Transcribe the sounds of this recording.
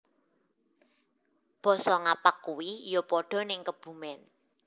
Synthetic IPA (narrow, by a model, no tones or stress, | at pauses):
b̥ɔ̤sɔŋapakkːuwijopɔɖ̥ɔ̤nɪŋkəb̥ṳmɛn